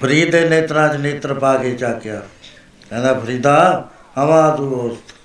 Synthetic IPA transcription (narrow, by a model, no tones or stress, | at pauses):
pʰəɾiːd̪eːneːt̪ɾãːt͡ʃneːt̪ɾpaːɡeːt͡ʃaːkɪjaː | kɛ̃ːnd̪aːpʰəɾiːd̪ãː | ɦəmãːd̪uːoːst̪